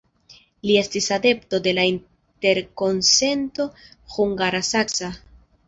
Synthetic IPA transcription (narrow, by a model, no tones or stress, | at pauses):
lie̞stisade̞pto̞de̞lain | te̞ɾko̞nse̞nto̞xuŋɡaɾasaksa